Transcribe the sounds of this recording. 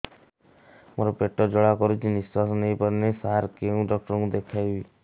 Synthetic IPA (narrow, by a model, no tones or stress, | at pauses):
moɾɔpeʈːɔd͡ʒɔɭakɔɾut͡ʃʰiniswasɔnejpɔɾnesaɾkeũɖɔk̚ʈɔɾɔ̃ŋkũd̪ekʰajbi